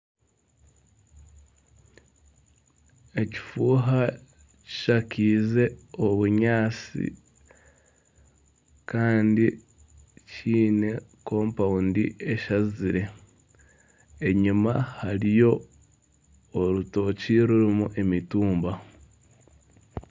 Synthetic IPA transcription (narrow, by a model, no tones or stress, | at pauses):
e̞ci̥fuːɦa | ci̥ʃakiːze̞oβuɲaːt͡sḭ | kaːndi | cʰiːne̞ko̞ːmpaundḭe̞ʃaziɾe̞ | eɲumahaɾijo̞ | ɾuto̞ciɾuɾimuʔe̞mituːmba